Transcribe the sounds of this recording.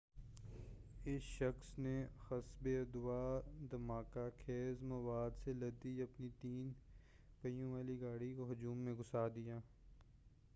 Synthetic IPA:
ɪsʃɐxsnexɐsbeɐd̪ʊʋaːd̪ɐmaːkakʰeːzmɐʋaːd̪selɐd̪iɐpnit̪iːn | pɐjõʋaːliɡaːɽikoɦʊd͡ʒuːmːẽɡʊsaːd̪ijaː

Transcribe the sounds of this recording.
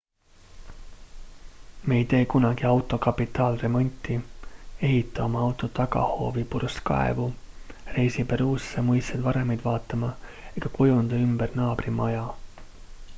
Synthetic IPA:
me̞jt̪e̞ːkunɑɡ̥iɑwt̪ˑo̞kɑpːit̪ˑːɑːlre̞mo̞nʲt̪ːˑie̞ɦit̪ˑːɑo̞mɑɑwt̪ˑo̞t̪ɑɡ̥ɑ̰ho̞̰ːvipurskɑ̰ḛvu | re̞jsipe̞ɾuːsːemujst̪ed̪vɑɾe̞mɑjd̪vɑːt̪ːˑɑmɑe̞ɡ̥ɑkujund̪̥ɑymbernɑːb̥rimɑjɑ

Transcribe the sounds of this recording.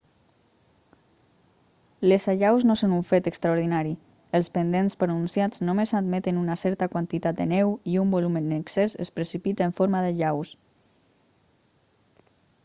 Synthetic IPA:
lesaʎawznosonuɱfet̪əkst̪ɾauɾðinaɾi | əlˠspənd̪enspɾonunsjad͡znomezad̪met̪enunasɛɾt̪akwant̪it̪at̪̚d̪ənɛwiumbolumeneksezḛspɾəsipit̪aeɱfoɾmaðeʎaws

